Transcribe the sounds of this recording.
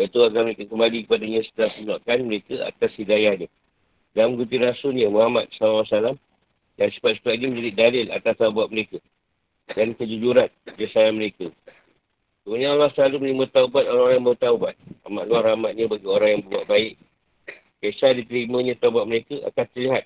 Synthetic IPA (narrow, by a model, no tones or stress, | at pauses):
jaʔit̪uakalməɾekəkəmbalikə̥padaɲãsə̥t̪əlat̪ənaʔkanməɾekəa̰t̪ashidajaɲə | dalamɡut̪inasunɲə̃muɦamat̪̚salɔsalam | dansə̥pat̪si̥pat̪̚ɲəməd͡ʒadiʔ̚dalɪla̰t̪ast̪aubat̪̚məɾekə | dankəd͡ʒud͡ʒuɾanbasananməɾekə | kəmuɲãalahsəlaluməlimət̪aubat̪̚oɾaŋoɾajamət̪aubat̪̚a̰maʔ̪̚luaɾamat̪̚ɲə̃baɡioɾaŋjaŋbəɾbua̰ʔ̚baɪʔ | kasadit̪əɾimə̃ɲãt̪aubat̪̚məɾekəʔa̰kant̪ərliɦat̪̚